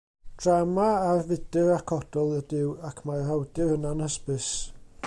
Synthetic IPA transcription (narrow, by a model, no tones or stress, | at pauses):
d̥ramaarvɪdɪɾakʰɔd̥ɔlˠədɪwakʰmarhawdɪənanəspɨs